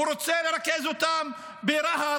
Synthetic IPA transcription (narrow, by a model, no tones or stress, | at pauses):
uɾot͡seleɾakezot̪am | beɾaɦa